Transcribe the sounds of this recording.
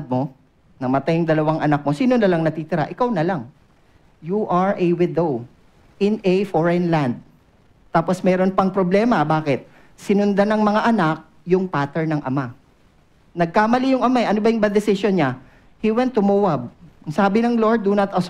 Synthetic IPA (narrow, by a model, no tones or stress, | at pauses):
d̪̚mo | nɐmɐt̪ajʊŋd̪ɐlɐwaŋʔɐnak̚mo̞siːnonɐlɐŋnɐt̪it̪ɪɾa̰ʔɪkawnɐlaŋ | juʔaɹʔɛwɪd̪ow | ɪnɛfoɹɛnland̪̚ | t̪aːpo̞smɛːɾo̞npɐŋpɾoblɛːmɐbaːkɪt̪̚ | sɪnʊnd̪anɐŋmɐŋaʔɐnak̚ | jʊŋpaːt̪ɛɹnɐŋʔɐ̰ma | nɐɡ̚kamɐlijʊŋʔɐmaɛʔɐnobɐjʊŋbɐd̪ɛsɪsjonɲa | hiwɛnt̪ːʊmuːwɐb̚ɐŋsaːbɪnɐŋlo̞ɹd̪ːunɐt̪ɐ